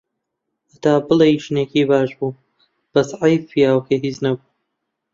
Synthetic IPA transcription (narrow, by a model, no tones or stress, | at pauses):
ʔɐt̪aːbɨlejʃnekiːbaːʃbuː | b̥ɐsʕajfijaːwkeɦiːznɐbuː